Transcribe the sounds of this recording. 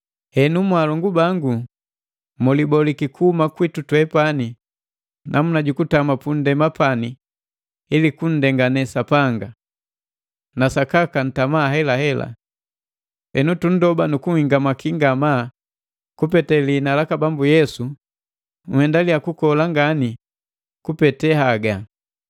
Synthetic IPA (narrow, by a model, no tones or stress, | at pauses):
hɛnumwalɔŋɡubaŋɡu | mɔlibɔlikikuhumakwitutwɛpani | nʔamunaɟukutamapun̩dɛmapani | ilikun̩dɛŋɡanɛsapaŋɡa | nasakakan̩tamaːɦɛlahɛla̰ | ɛnutun̩dɔbanukuŋhiŋɡamakiŋɡama | kupɛtɛliːnalakabambujɛsu | ŋ̩hɛndalijakukɔlaŋɡani | kupɛtɛhaɡa